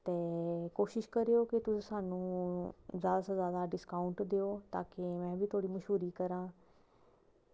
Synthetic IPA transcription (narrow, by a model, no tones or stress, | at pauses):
t̪eːkoːʃɪʃkəɾejoːkɪt̪ʊsĩːsaːnũː | zjaːd̪aːsãːzjaːd̪aːɖɪskaːʊɳʈd̪eːoːt̪a̰ːkemɛ̃ːbʱiːt̪ʰoːɽiːməʃɦuːɾiːkəɾãː